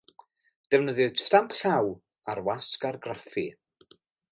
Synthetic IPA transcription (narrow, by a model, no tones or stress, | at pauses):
d̥ɛvnəðɨðsrampʰɬaw | arwaskarɡrafi